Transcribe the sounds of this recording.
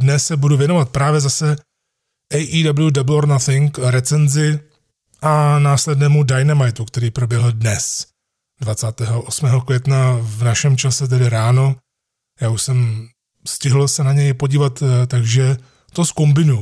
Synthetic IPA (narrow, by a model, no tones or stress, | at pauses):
dnɛsːɛbuduvjɛnovat̪̚pɾaːvjɛzasɛ | ʔɛjʔiːdablɪjudabloɾnaθɪŋkɾɛt͡sɛnzɪ | ʔanaːslɛdnɛːmudajnɛmajt̪ukt̪ɛɾiːpɾo̞bjɛɦl̩dnɛs | dvat͡saːt̪ɛːɦoʔosmɛːɦo̞kvjɛt̪navnaʃɛmt͡ʃasɛt̪̬ɛdɪɾaːno̞ | jaːuʃsɛm | scɪɦl̩sɛnaɲɛjpo̞ɟiːvat̪t̪aɡʒɛ | t̪o̞sko̞mbɪnuju